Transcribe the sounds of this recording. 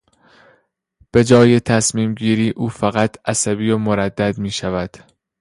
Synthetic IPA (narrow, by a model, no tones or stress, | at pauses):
b̥e̞d͡ʒɒːje̞t̪ʰæsmiːmɟiːɾiːʔuːfæɣæt̪ʰæsæbiːomoɾæd̪ːæd̪miːʃævæd̪̥